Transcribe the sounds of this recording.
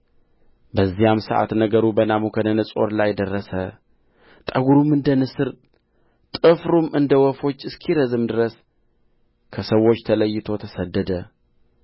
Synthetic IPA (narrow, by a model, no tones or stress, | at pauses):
bəzːijamsɨʔa̰t̪nəɡəɾubənamukʰənənɨsʼo̞̰ɾlajd̪ərːəsə | t̪ʼɐɡuɾumːɨnd̪ənɨsɨɾ | t̪ʼɨfɾumɨnd̪əwɔfo̞t͡ʃːɨskʰiɾəzɨmd̪ɨɾəs | kʰəsəwːo̞t͡ʃːt̪ʰələjːɪt̪ʰo̞t̪ʰɐsɐd̪ːəd̪ə